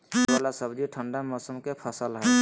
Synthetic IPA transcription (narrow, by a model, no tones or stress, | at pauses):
ʋalasəbd͡ʒiʈʰəɳɖamɔːsəmkepʰəsəlɦɛː